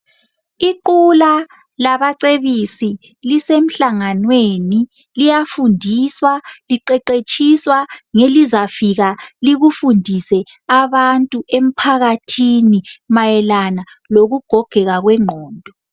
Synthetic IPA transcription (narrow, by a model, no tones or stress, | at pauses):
iǃula | laβaǀeβisi | lisem̩ɬaŋanweni | lijafundʱiswaliǃɛǃet͡ʃʰʼiswaŋelizafiɣaliɣufundʱisɛ | aβantʼuʔem̩pʰaɣatʰinimajɛlana | loɣuɡ̥ʱɔɡ̥ʱɛɣaɣwɛŋ͡ǃʱɔːndʱɔ